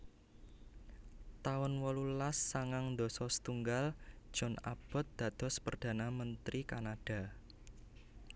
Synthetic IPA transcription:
t̪aʊnwɔlulasːaŋaŋnd̪ɔsɔsə̥t̪uŋɡald̥ʒ̥ɔ̤na̰b̥ɔ̤t̪̚d̪̥ä̤d̪̥ɔ̤spərd̪̥a̤namənt̪ɾʔikanad̥a̤

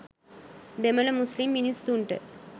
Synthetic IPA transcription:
d̪emɐlɐmuslimːinisːuɳʈə̰

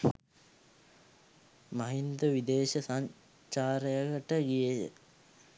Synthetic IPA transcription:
maɦind̪uʋid̪eːɕɐsaɲ | t͡ʃaːɾəjəɡəʈəɡijəjə̰

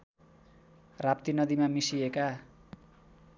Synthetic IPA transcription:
rap̚t̪inʌd̪imamisieka

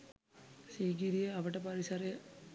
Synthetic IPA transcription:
siːɡiɾijɐɐʋɐʈːɐpɐɾisɐre

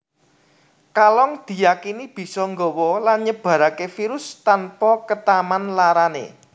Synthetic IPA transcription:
kalɔŋd̪̥i̤jakinib̥i̤sɔŋɡɔwɔlanɲəb̥ä̤ɾakefiɾʊst̪anpɔkət̪amanlaɾanḛ

